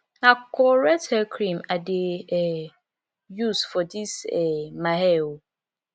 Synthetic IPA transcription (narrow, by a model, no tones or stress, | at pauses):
akʰɔɾɛtɛkʰɾĩmadɪ | jusfɔdisɛmãɦɛw